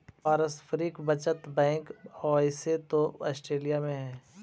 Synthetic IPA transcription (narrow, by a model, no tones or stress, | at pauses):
paːɾəspʰɾiːkbɐt͡ʃət̪bɛ̃ːŋkɔːɪset̪oɐ̰sʈɾeːlijamẽɦɛ̃ː